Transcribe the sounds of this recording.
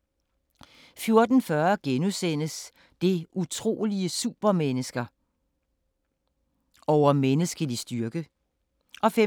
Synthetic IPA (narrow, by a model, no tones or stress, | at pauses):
fjo̝ɐd̥n̩fɶɐɡ̥enusen̰əs | d̥e̝ʔut͡sʰʁo̝̰ːliəsṵb̥ɐmenəsɡ̥ɐ | ɒʊ̰ɐmenəsɡ̥əlisd̥yɐɡ̥ə | ʔɒ̽fe